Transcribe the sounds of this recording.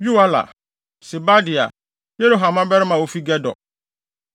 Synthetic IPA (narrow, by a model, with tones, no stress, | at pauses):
ju˦a˦la̰˨ | sɪ˨ba˦dɪ˨a̰˨ | je˦ɾu˦ɦa˨mã˦bɛ˦ɾɪ˦mã˨wo˦fi˦ɡɛ˦dɔ̰˨